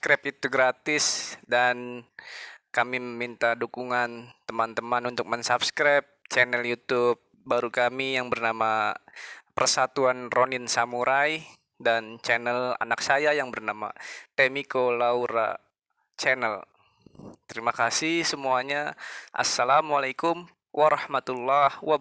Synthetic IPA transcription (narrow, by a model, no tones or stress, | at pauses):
kɾɛp̚it̪uɡɾat̪ɪsdan | kamiməmint̪adukuŋant̪əmant̪əmanunt̪ʊk̚mansapskɾap̚t͡ʃɛnɛljut̪up̚baɾukamijaŋbərnama | pərsat̪uanronɪnsamuɾʔaj | dant͡ʃɛnɛla̰nak̚sajajaŋbərnama̰t̪emikolauɾa̰ | t͡ʃɛnɛl | t̪əɾimakasihsəmuaɲaʔa̰sːalamwalakʊm | wʔaɾɑhmat̪ulːahwa